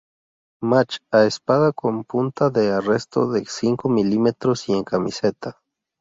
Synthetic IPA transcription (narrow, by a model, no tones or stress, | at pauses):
mat͡ʃaespaðakompunt̪aðearest̪o̰ðesiŋkomilimet̪ɾosieŋkamiset̪a